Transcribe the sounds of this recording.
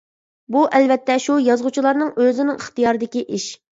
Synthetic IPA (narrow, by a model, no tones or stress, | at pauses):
buʔɛlvɛt̪ʰːɛʃujɑzʁut͡ʃʰilˠɑɾnɨŋøzɪnɪŋəχt̪ɨjɑɾɨd̪ɪkʲiʔiʃ